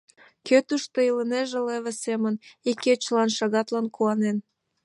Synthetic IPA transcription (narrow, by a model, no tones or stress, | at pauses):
køt̪uʃt̪əiləneʒeleβesemənikːet͡ɕəlɑnʃɑɣɑt̪lɑnkuɑnen